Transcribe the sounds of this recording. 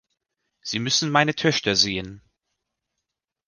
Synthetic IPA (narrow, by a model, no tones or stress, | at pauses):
z̥iːmʏsn̩maɪnətʰœçtʰɐzeːən